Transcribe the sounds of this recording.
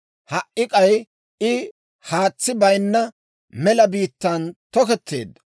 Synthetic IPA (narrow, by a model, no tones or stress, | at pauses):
hɐʔʔɪkʼɐj | ʔɪ | haːt͡sːɪbɐjnːɐ | mɛlɐbiːt̪ːɐnt̪ɔkɛt̪ːe̞̰ːd̪ːɐ̥